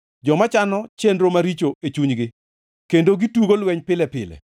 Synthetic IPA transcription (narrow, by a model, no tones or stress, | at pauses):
d͡ʒɔmat͡ʃanɔt͡ʃendɾomaɾit͡ʃoet͡ʃuɲɡɪ | kendoɡituɡolwɛɲpɪlɛpɪlɛ̰